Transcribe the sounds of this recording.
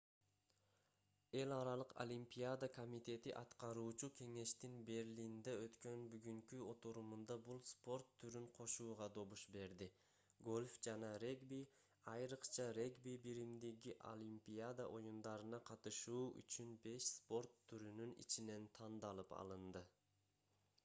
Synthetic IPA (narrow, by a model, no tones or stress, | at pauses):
e̞lɑɾɑlˠɯqo̰lʲimpʲijad̪akomit̪e̞t̪iʔɑt̪qɑɾuːt͡ʃukʲʰe̞ŋe̞ʃt̪inbe̞ɾlʲind̪eø̞t̪kø̞nbyɡyŋkyo̞t̪uɾumund̪ɑbulˠspo̞rt̪ʰːyɾyɴqʰo̞ʃuːʁɑd̪o̞βuʃbe̞ɾd̪i | ɡo̞lʲfd͡ʒɑnɑɾe̞ɡbi | ɑjɾɯqt͡ʃɑɾe̞ɡbibiɾimd̪iɡiʔo̰lʲimpʲijad̪aʔo̞jund̪ɑɾɯnɑqʰɑt̪ɯʃuːy̰t͡ʃynbe̞ʃspo̞rt̪ʰːyɾynynḭt͡ʃine̞nt̪ʰɑnd̪ɑlˠɯpɑ̰lˠɯnd̪ɯ